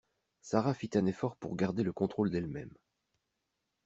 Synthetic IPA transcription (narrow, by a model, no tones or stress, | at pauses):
saʁafit̪ɛ̃nefɔʁpṵʁɡaʁd̪eləkɔ̃t̪χold̪ɛlmɛm